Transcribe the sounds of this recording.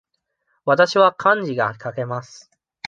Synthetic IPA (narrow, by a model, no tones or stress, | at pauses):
βat̪aɕiβakʰãɲ̟d͡ʑiɡakake̞masɨ̥